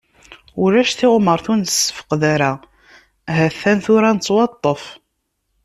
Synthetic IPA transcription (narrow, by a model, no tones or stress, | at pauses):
ʊɾæʃθɪʁməɾˤθunsə̥fə̥qðæɾa | ɦæθːænθʊɾænt͡sˤːwɑt̪ˤːəf